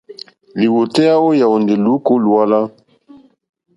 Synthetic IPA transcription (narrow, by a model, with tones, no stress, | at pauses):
li˨wo˨tɛ˦a˦wo˦ja˨wo˨nde˨lu˨˦ko˦lu˨a˦la˦